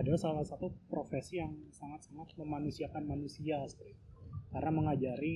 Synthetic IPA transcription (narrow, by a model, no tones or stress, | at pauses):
adasalasat̪upɾofesijaŋsaŋat̪̚saŋat̪̚məmanusiakanmanusiasɾikarnaməŋad͡ʒaɾi